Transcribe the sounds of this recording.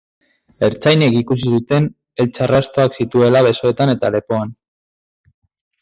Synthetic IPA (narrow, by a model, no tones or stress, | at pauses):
e̞ɾt͡sajnekikus̬isut̪e̞n | e̞lt͡ʃarast̪o̞aksit̪ue̞laβe̞so̞e̞t̪ane̞t̪ale̞po̞an